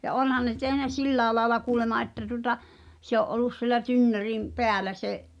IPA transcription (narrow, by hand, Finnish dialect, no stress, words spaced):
jɑ ʔonhɑn ne tehnæ silːæːe lɑːelɑ kuːlemɑ ʔetːæ tuŏtɑ se oʔ ʔolˑus siĕlæ tynːørim peælæ seʔ